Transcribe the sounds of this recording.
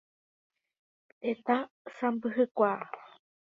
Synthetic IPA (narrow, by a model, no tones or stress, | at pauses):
et̪a | sambɨɦɨkʷa